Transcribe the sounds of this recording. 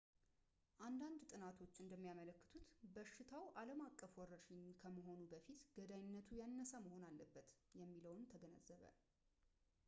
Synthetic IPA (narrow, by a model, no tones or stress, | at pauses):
ʔand̪and̪t̪ʼɨnat̪ʰo̞t͡ʃːɨnd̪əmːijamələkːə̥t̪ʰut̪bəʃːɪt̪ʰawʔaləmakʼːəfwɔrəʃɪɲkʰəməɦo̞nubəfit̪ɡəd̪aɲɪnːət̪ʰujanːəsaməho̞nalːəbːət̪jɛmːiləwnt̪ʰəɡənəzːəβə̰